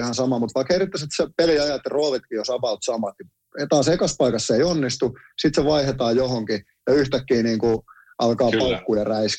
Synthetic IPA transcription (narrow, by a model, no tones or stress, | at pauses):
hɑnsɑmɑmut̪ʋɑikherit̪ːæset̪sepeliɑjɑt̪ːeroːʋit̪kijosɑpɑut̪sɑmɑt̪ni | t̪ɑːsekɑspɑikɑsːeionːist̪u | sit̪seʋɑihet̪ɑːjohoŋki | jɑyht̪ækːiːniːŋku | ʔɑlkɑːpɑukːujɑræis